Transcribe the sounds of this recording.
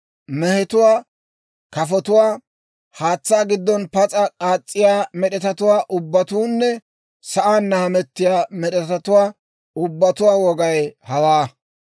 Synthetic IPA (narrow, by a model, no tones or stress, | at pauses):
mɛhɛt̪ʊwaː | kɐfɔt̪ʊwaː | haːt͡sːaːɡɪd̪ːɔnpɐt͡sʼɐkʼaːt͡sʼːɪjaːmɛɗɛt̪ɐt̪ʊwaːʔʊbːɐt̪uːnːɛ | sɐʔaːnːɐhɐmɛt̪ːɪjaːmɛɗɛt̪ɐt̪ʊwaː | ʊbːɐt̪ʊwaːwɔɡɐjhɐwaː